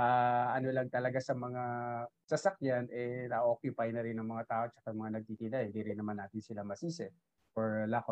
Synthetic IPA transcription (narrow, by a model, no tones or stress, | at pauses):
aʔɐnolɐŋt̪ɐlɐɡasɐmɐŋasɐsɐkjanʔɛnɐʔoːkjʊpɐjnɐɾɪnɐŋmɐŋat̪aːʔo̞t͡ʃɐkajɐŋmɐŋanɐɡ̚t̪iːt̪ɪnajhɪnd̪iɾɪnːɐmanːaːt̪ɪnsɪlamɐsiːsɛ | foɹlako